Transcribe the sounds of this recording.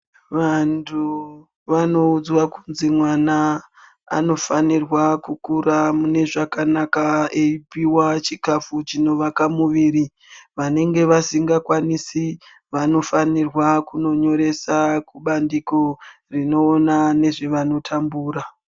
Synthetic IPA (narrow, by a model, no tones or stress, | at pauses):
ʋantʰu | ʋano̞ud͡zwakunzimwana̰ː | no̞fanirwakukuɾamune̞ʐakanakaeipiwat͡ʃikafut͡ʃino̞ʋakamuʋiːɾi | ʋane̞ŋɡe̞ʋasiŋɡakwanisi | ʋano̞fanirwakuno̞ɲo̞ɾe̞sakuɓandiko | rino̞ːnane̞ʐeʋano̞tʰambuːɾa